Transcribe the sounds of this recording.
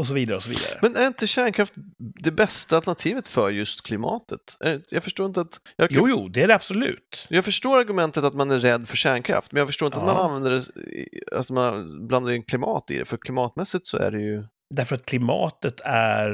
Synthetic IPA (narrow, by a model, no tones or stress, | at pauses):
ɔs̬ɔviːd̪aɾəɔsɔvḭːd̪a̰ɾəmɛnæɾɪnt̪əɕæːɳkʰɾaft̪d̪ɛbɛst̪alt̪ɛnat̪ʰiːvət̪fœɾjɵst̪kʰlɪmɑ̰ːt̪ʰət̪ʔæ̰ɾɪnjɑːɡfœʂʈoːɾɪnt̪əat̪jɑjuːjuːd̪ɛæɾɛab̥sɔlʉ̟̰ːt̪jɑːɡfœʂʈoːɾaɾɡɵmɛnt̪ət̪at̪manæːɛd̪ːfœʂæːɳkʰɾa̰ft̪mɛnjɑɡfœʂʈoːɾɪnt̪at̪mananvɛnd̪əɖɛ̰ | a̰t̪manbland̪aɾɪkʰlɪmɑ̰ːt̪ɪ̰d̪ɛ̰fœɾkʰlɪmɑːt̪mɛsːɪt̪sɔæ̰ɖɛjɵ | d̪æɾfœɾat̪̚kʰlɪmɑ̰ːt̪ət̪ʰæɾ